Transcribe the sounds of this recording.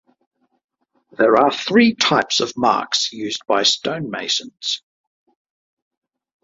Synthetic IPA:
ðəɹəθɹiːtʰaɪpsəvmɑ̰ˑksjʉːzbaɪstə̃ʊ̃nmeɪsə̃nz̥

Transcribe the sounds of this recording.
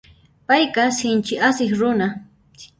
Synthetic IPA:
pajkasɪnt͡ʃɪʔasɪχɾʊna

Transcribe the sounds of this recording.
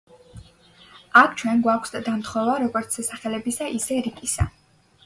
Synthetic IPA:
akʰt͡ʃʰwɛnɡwakʷʰsd̪ad̪amt̪ʰχɔvaɾɔɡɔɾt̪sʰɛsaχɛlɛbisaʔisɛɾikʼisa̰

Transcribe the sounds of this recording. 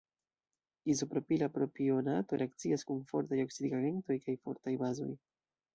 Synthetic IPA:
izopɾo̞pilapɾo̞pionato̞ɾe̞ak̚t͡siaskunfo̞̰ɾtajo̞ksid̪iɡaɡe̞nto̞jkajfo̞̰ɾtajbazo̞̰j

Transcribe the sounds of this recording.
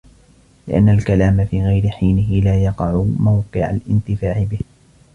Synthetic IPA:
lɪʔa̰nːalkalaːmafiːɣajɾɪħiːnɪɦɪlaːjɑqɑʕʊmawqɪʕa̰lʔɪnt̪ɪfaːʕɪbɪh

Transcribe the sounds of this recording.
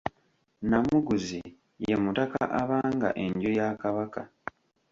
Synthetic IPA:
namuɡuzi | jemutakaʔaβaːŋɡa̰ʔe̞ɲɟojakaβaka

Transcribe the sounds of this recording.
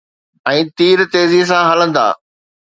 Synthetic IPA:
ɛ̃ːt̪iːɾt̪eːzis̬ãɦɐlə̃nd̪a̰ː

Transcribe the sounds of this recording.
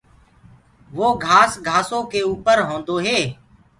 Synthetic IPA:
ʋoːɡʱaːsɡʱaːsõːkeːuːpəɾɦõːnd̪oːɦeː

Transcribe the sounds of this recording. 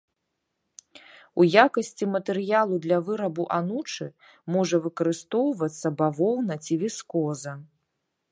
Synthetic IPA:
ujakɐsʲt͡sʲimɐt̪ɛɾɨjalˠud̪lʲɐvɨɾɐbuʔanut͡ʂɨ | mɔʐɐvɨkɐɾɨst̪ɔwvɐt̪sːɐbavɔwnɐt͡sʲivʲiskɔzɐ

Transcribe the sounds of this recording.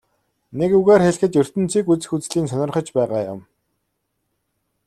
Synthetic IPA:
nekuɣaːrxeɮxɘ̆t̪jɵr̥t̪ɘ̆n̥t͡sʰiːkut͡sɘ̆xut͡sɮiːnsœnɞ̆rχɞ̆t͡ɕpæːʁaːjʊ̰m

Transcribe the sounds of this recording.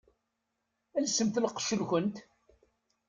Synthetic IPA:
ælsəmθləqːə̥ʃəlxʊnt̪

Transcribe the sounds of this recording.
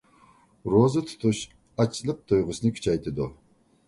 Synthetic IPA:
ɾozɨt̪ʰt̪ʰuʃ | at͡ʃʰlɨq̚t̪ʰojʁʊsnɨkʲʰt͡ʃʰajt̪ʰʼid̪u

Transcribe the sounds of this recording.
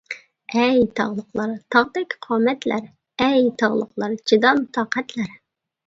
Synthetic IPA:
ɛjt̪ʰɑʁlˠəqlˠɑɾt̪ʰɑʁd̪ɪkʲqʰɑːmɛt̪læɾ | ɛjt̪ʰɑʁlˠə̰qlˠɑɾd͡ʒid̪ɑmt̪ʰɑːqʰɛt̪læɾ

